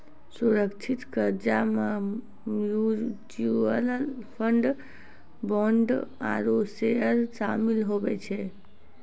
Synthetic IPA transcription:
suɾəkt͡ʃʰit̪kəɾd͡ʒame | mjud͡ʒuəllpʰəɳɖ | bɔɳɖa̰ɾosejəɾsamilɦobɛt͡ʃʰɛ

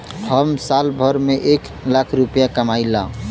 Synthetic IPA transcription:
həmsalbʱəɾmeʔek | lakʰɾupjakəmaɪlã

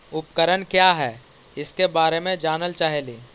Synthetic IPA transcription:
ʊpkəɾənkjaːɦɛː | ɪskebaːɾemẽd͡ʒaːnəlt͡ʃaːɦeliː

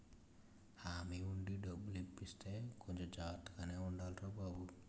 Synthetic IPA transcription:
hamiuɳɖiɖɔbuliʈ̚pist̪ekʰɔɲt͡ʃɔd͡ʒat̪ːkaneuɳɖalʈobabu

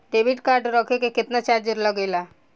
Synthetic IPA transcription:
ɖeːbiʈkaɾɖɾəkʰekekɪt̪nat͡ʃaɾd͡ʒəɾləɡejla

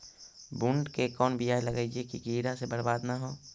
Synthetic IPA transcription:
bʊɳɖkekɔːnbijaːjləɡaid͡ʒiekikiːɾasebəɾbaːd̪naɦoː

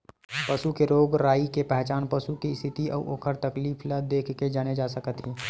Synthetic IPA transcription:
pəʃukeɾoːɡɾaːikepɛɦt͡ʃaːnpəʃukist̪ʰɪt̪iɔ̰ːʔoːkʰəɾt̪əkliːpʰləd̪ːeːkʰked͡ʒaːned͡ʒaːsəkət̪ɦi

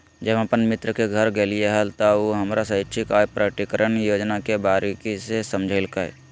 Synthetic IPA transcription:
d͡ʒəbəpənmɪt̪ɾəkeɡʱəɾɡeːlieɦəlt̪aoɦɐmɾasɐɪt͡ʃʰikaːjpɾəʈ̪ikəɾəɳjoːd͡ʒnakebaːɾekisesəmd͡ʒʱəlkaj̰

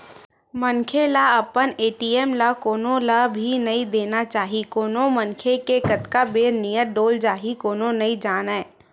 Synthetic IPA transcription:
mənkʰelaəpəneːʈiɛːmlakoːnõlabʱinɐĩd̪eːnat͡ʃaːɦikoːnomənkʰekekət̪kabeːɾnijəʈ̚ɖoːld͡ʒaːɦikoːnonɐĩd͡ʒaːnɛː

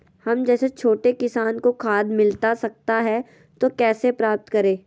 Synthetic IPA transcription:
hɐmd͡ʒɛːset͡ʃʰoːʈekɪsaːnkokʰaːd̪mɪlt̪asɐk̚t̪aɦɛ | t̪okɛːsepɾaːp̚t̪kɐɾẽː

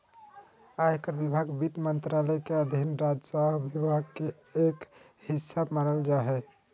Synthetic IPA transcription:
ajkəɾbibʱaɡbit̪mənt̪ɾalɛkeəd̪ʱinɾad͡ʒsaɦbibʱaɡ̚ke | ek | hisabmaɾəld͡ʒaɦɛ

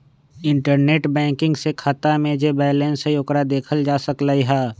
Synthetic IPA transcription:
ɪ̃ɳʈəɾneːʈbɛ̃ːkɪ̃ŋɡsekʰat̪amẽd͡ʒebɛːlensejokɾad̪eːkʰəld͡ʒaːsəklaiɦɛː

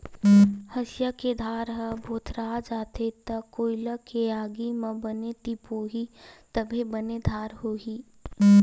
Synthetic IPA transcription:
hɐsjaked̪ʱaːɾɦəbʱoːt̪ʰɾaːd͡ʒaːt̪et̪ɐkːoːɪlakeaːɡimɐ̃bənet̪ipoːɦit̪əbʱebəned̪ʱaːɾɦoːɦiː

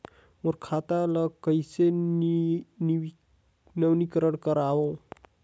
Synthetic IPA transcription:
oɾkʰaːt̪aləɡkəise | nəʋnikəɾəɽkəɾaːo

